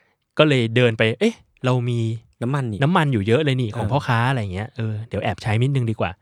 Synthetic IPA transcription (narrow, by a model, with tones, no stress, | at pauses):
kɔː˥˩lɤː˧jdɤː˧npa˧jʔɤ˦˥˩ | ɾa˧wmiː˧na˦˥ma˧n˨na˦˥mːa˧njuː˨˩jɤ˦˥ʔlɤː˧jniː˥˩kʰɔː˩˦ŋmʰpʰɔː˥˩kʰaː˦˥ʔa˨ɾa˧˥jaː˨˩ŋːi˦˥ɐʔɤː˧di˨˩˦ʔɛː˨˩p̚t͡ɕʰa˦˥jmi˦˥t̪̚nɯ˧ŋdiː˧kwa̰ː˨˩